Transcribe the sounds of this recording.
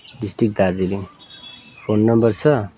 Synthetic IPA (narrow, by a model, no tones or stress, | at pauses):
ɖisʈrik̚d̪ard͡ziliŋ | pʰonːʌmbʌrt͡sʰʌ